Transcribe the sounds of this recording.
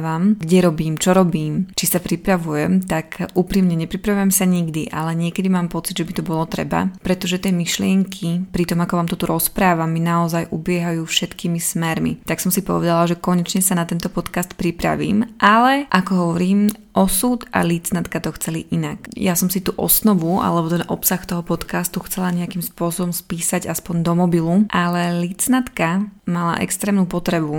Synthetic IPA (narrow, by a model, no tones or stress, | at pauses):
ʋamɡɟɛɾɔbiːmt͡ʃɔɾɔbiːmt͡ʃisapɾipɾaʋujɛmt̪akʔupɾimɲɛɲɛpɾipɾaʋujɛmsaɲiɡd̪iʔa̰lɛɲɪɛkɛd̪imaːmpɔt͡sid̪ʒɛbit̪ɔbɔlɔt̪ɾɛ̰ba̰pɾɛt̪ɔʒɛt̪ɪɛːmiʃlɪɛŋkʰipɾit̪ɔmakɔʋaːmt̪ɔt̪uɾɔspɾaːʋaminaɔzajʔubɪɛɦajuːfʃɛt̪kimismɛɾmḭt̪aksɔmsipɔ̰ʋɛd̪alaʒɛkɔɲɛt͡ʃɲɛsanat̪ɛnt̪ɔpɔt̪kast̪pɾipɾa̰ʋḭːmʔalɛʔakɔɦɔʋɔɾiːmʔɔsut̪a̰lit͡snat̪kat̪ɔxt͡sɛliʔinakjasɔmsit̪uʔɔ̰snɔʋuʔa̰lɛbɔt̪ɛnʔɔpsaxt̪ɔɦɔpɔt̪kast̪uxt͡sɛlaɲɛakiːmspʊɔsɔbɔmspiːsaɟaspɔɲd̪ɔmɔbiluʔalɛlit͡snat̪kamala̰ʔɛ̰kst̪ɾɛːmnuːpɔt̪ɾɛbu